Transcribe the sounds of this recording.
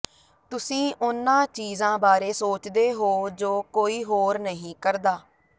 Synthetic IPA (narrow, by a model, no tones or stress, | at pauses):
t̪ʊsĩːʔʊnːãːt͡ʃiːzãːbaːɾeːsoːt͡ʃd̪eːɦoːd͡ʒoːkoːiːɦoːɾnəɦĩːkəɾd̪aː